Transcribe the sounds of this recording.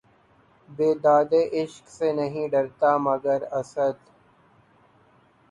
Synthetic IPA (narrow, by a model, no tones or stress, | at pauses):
beːd̪aːd̪eʔɪʃksenɐɦĩɖɐɾt̪amɐɡəɾɐsəd̪